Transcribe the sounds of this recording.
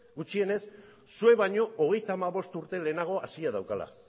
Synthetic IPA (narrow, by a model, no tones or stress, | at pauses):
ɡut͡ʃie̞ne̞s | sue̞βaɲo̞ʔoɣ̞e̞jt̪aːmaβo̞st̪uɾt̪e̞le̞ːnaɣ̞o̞asiaðawkala̰